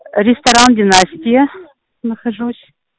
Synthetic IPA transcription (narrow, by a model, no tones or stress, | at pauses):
rʲɪst̪ɐɾandʲɪnasʲtʲijə | nəxɐʐusʲ